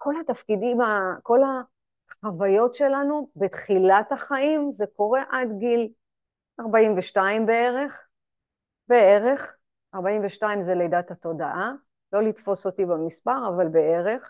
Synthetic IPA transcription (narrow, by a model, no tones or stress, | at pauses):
ko̞latafkidimako̞la | χavajo̞tʃe̞lanubet̪χilataχaʔimzeko̞ʁe̞ʔadɡil | aʁbaimveʃtaimbe̞e̞ʁe̞χ | be̞eʁe̞χ | aʁbaimveʃtaimzelejdathato̞daʔa | lo̞litfo̞sotibamispaʁavalbeeʁeχ